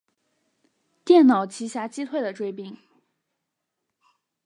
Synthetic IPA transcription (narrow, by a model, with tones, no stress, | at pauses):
t̪jɛ˥˩nnɑ˨˩ʊt͡ɕʰi˧˥ɕja˧˥t͡ɕi˥t̪ʰwe˥˩ɪd̪ə˩ʈ͡ʂwe˥ɪpi˥˩ŋ